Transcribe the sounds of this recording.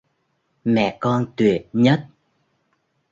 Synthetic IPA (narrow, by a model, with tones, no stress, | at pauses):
mɛ̰˧˨kɔ˧nt̪wi˨˩ət̚ɲə˦˥t̚